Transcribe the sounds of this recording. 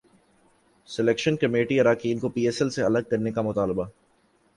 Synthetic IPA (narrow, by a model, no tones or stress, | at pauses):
sɪlɛːkʃənkɐmeːʈiɐɾaːkiːnkopiːeːsɛlseɐləɡ̚kɐɾnekamʊt̪aːlba